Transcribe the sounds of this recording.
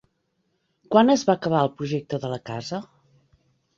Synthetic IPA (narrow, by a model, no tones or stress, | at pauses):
kwanəzβakəβ̞aəlˠpɾuʒɛk̚t̪əðələkazə